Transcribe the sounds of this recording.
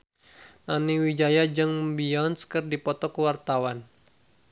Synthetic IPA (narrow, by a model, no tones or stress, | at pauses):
naniwid͡ʒajad͡ʒɨŋbiɔnskərdipɔt̪ɔkəwart̪awan